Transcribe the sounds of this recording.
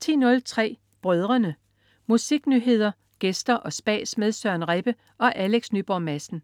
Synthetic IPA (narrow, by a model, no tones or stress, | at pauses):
t͡sʰḭːnɔ̽lt͡sʰʁɛ̰ː | b̥ʁœð̞ˠʁɐnə | musiɡ̥nyɦe̝ð̞̰ˠɐ | ɡ̥esd̥ɐʔɒ̽sb̥ɛ̰ːsmeðˠsɶɐnʁeb̥ə | ʔɒ̽ʔæleɡ̥snyb̥ɒmæsn̩